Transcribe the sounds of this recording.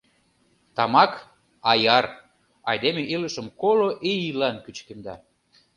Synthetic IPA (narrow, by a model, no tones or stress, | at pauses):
t̪ɑmɑk | ɑjɑr | ɑ̰jd̪emeʔiləʃəmkoloʔijilɑnkyt͡ɕkemd̪ɑ